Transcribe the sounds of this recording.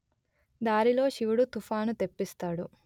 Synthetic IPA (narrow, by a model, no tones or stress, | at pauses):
d̪aːɾilo̞ːʃiʋuɽut̪ufaːnut̪epːist̪aːɽu